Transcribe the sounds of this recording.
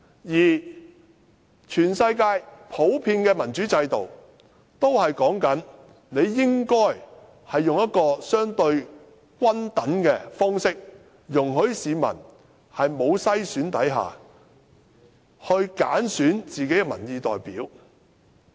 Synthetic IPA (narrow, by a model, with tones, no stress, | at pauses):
jiː˨˩ | t͡ʃʰyː˨˩nsɐ˧jkaː˧jpʰo˨˥wpʰiː˧nkɛː˧mɐ˨˩nt͡ʃyː˨˥t͡sɐ˧jt̪o˨˩w | t̪o˥whɐ˨jkɔː˨˥ŋkɐ˨˥n | ne˨˧jːɪ˥ŋkɔː˥j | hɐ˨jːʊ˨ŋjɐ˥t̚kɔː˧sœː˥ŋt̪ɵ˧ɥ | kʷɐ˥nt̪ɐ˨˥nkɛː˧fɔː˥ŋsɪ˥k̚ | jʊ˨˩ŋɦɵ˨˥ɥsiː˨˧mɐ̰˨˩n | hɐ˨jmo˨˧wsɐ˥jsyː˨˥nt̪ɐ˨˥jɦa̰ː˨˩ | hɵ˧ɥka̰ː˨˥nsyː˨˥nt͡siː˨ke˨˥jɛ˧mɐ̰˨˩njiː˨˧t̪ɔː˨jpiː˨˥w